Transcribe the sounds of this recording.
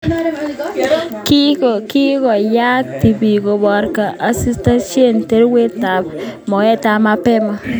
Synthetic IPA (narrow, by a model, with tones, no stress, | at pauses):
ki˦ko˨ki˦kɔ˨ja˦k̚ti˨bi˨ko˨bɔ˨ɾka˨a˨si˦sta˦nʃe˦˨nte˦ɾwe˦ta˨pmɔ˨ɛ˦ta˨ma˨pɛ˦ma˨